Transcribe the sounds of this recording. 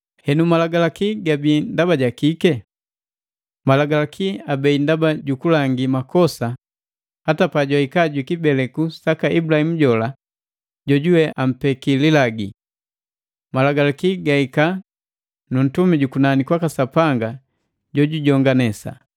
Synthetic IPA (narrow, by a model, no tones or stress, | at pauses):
hɛnumalaɡalakiɡabindabaɟakikɛ | malaɡalakʰiabɛindabaɟukulaŋɡimakɔsa | hatapaɟwaikaɟwikibɛlɛkusakaʔibulahim̩ɟɔla | ɟɔɟuwɛʔam̩pɛkililaɡi | malaɡalakiɡaika | nun̩tumiɟukunanikwakasapaŋɡa | ɟɔɟuɟɔŋɡanɛsa̰